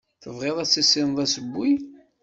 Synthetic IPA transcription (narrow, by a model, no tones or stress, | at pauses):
θəvʁeðˤæt͡sːisːɪnðˤæsəbːi